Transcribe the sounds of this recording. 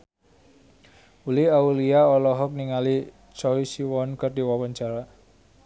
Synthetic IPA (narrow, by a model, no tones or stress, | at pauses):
uliauliaɔlɔɦɔk̚niŋali | t͡ʃɔisiwɔnkərdi̤wɔwəɲt͡ʃaɾa